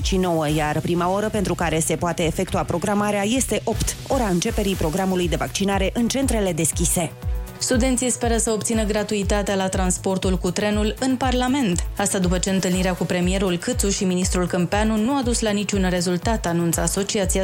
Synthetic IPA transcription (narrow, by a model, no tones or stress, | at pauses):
ʃino̞wəjarpɾimao̞ɾəpe̞nt̪ɾukaɾe̞se̞poat̪e̞ːfe̞k̚t̪uapɾo̞ɡɾamaɾeaje̞st̪e̞ʔo̞pt̪o̞ɾaɨnt͡ʃe̞pe̞ɾijpɾo̞ɡɾamulujd̪e̞vak̚t͡ʃinaɾe̞ʔɨnt͡ʃe̞nt̪ɾe̞le̞d̪e̞skʲise̞st̪ud̪e̞nt̪sijspe̞ɾəsəo̞p̚t̪sinəɡɾat̪uit̪at̪ealat̪ɾanspo̞rt̪ulkut̪ɾe̞nulɨnparlame̞nt̪ast̪ad̪upət͡ʃe̞ɨnt̪ɨlniɾeakupɾe̞mije̞ɾulkɨt̪suʃiminist̪ɾulkɨmpeanunuad̪uslanit͡ʃʲunre̞zult̪at̪anunt̪səaso̞t͡ʃiat̪sia